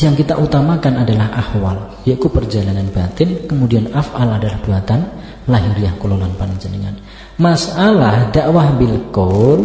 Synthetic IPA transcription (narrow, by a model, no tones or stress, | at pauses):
jaŋkit̪aʔut̪amakanadalahʔahwal | jaʔkupərd͡ʒalananbat̪ɪnkəmudianafʔaladalahbuat̪an | laɦiɾiahkulolanpanɲd͡ʒənəŋa̰n | masalahdaʔwahbilkɔl